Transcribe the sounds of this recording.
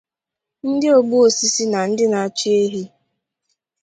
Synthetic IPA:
n̩˦dɪ˦o˨ɡ͡bu˦o˨si˦si˦na˨n̩˦dɪ˦na˨a˦t͡ʃi˦e˦ɦi˦

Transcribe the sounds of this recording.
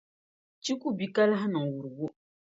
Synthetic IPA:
t͡ʃi˦ku˦bi˦ka˦la˦ɦa˦nɨ˨ŋ˨wu˨ɾɨ˨ɡʊ˦

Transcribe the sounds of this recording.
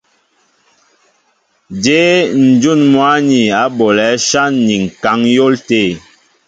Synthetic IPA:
d͡ʒe˨˦n̩˨d͡ʒu˦˨nmwa˨˦ni˨a˨˦bɔ˨lɛ˨˦ʃa˦nːi˨ŋ̩˨ka˨˦ŋjo˦lte˦˨

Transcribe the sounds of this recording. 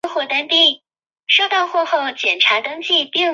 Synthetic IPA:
xwɔ˥˩t̪a˥np̪i˥˩ | ʂo˥˧ʊt̪ɑ˥˧ʊxwɔ˥˧xo˥˩ʊt͡ɕjɛ˨˩nʈ͡ʂʰa˧˥t̪ɤ˥ŋt͡ɕi˥˧pi˥˩ŋ

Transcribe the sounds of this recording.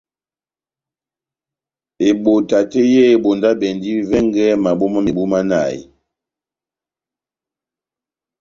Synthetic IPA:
e˨ɓo˨ta˨te˦jɛ˦e˨ɓo˨nda˦bɛ˨ndi˦vɛ˦ŋɡɛ˦ma˨ɓo˦ma˦me˨ɓu˦ma˦na̰˦˨j

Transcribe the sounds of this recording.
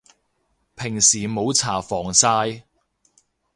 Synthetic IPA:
pʰɪ˨˩ŋsiː˨˩mo˨˧wt͡sʰaː˨˩fɔː˨˩ŋsaː˧j

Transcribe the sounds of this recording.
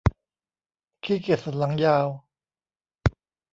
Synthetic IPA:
kʰiː˥˩ke˨˩t̪sa˨˩n̚la˩˦ŋjaː˧w

